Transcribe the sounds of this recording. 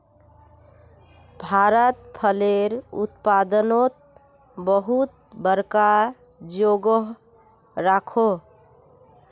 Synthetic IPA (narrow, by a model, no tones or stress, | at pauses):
bʱaɾət̪pʰəleɾṵt̪pad̪ənot̪̚ | bəɦut̪̚ | bəɾka | d͡ʒoɡəɦ | ɾakʰo